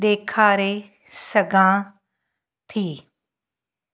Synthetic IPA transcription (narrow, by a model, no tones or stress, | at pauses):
ɗ̪eːkʰaːɾe | sɐɡʱãː | t̪ʰiː